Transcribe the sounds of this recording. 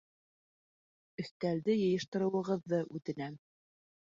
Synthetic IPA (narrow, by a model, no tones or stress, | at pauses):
ɵ̆θt̪æld̪ɘjɤ̆jɤ̆ʃt̪ɤ̆ɾɤ̆wɤ̆ʁɤ̆ðːɤʔʉt̪ɘ̆næm